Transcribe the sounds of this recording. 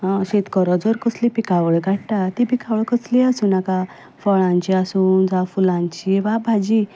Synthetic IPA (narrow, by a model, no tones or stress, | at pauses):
ɕet̪kəɾɔd͡zɔɾkəslipikaʋɭɡʱaʈʈat̪ipikʰaʋɭkəsliasuːnaka | fɔɭãɲt͡ɕiasuːnd͡zafulãɲt͡ɕiʋabʱad͡ʑi